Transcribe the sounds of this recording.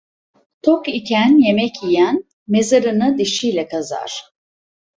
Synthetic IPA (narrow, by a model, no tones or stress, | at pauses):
t̪ʰokicʰænje̞mɛcijæn | me̞zaɾɯnɯd̪iʃijlʲɛkʰaza̰ɾ̥